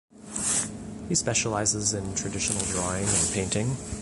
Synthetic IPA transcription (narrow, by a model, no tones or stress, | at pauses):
hispɛʃəlaɪzɪzɨ̃ntʰɹ̥ɨdɪʃn̩l̩ˠdɹɔɪɪ̃ŋɨ̃npʰẽɪ̃ntɪ̃ŋ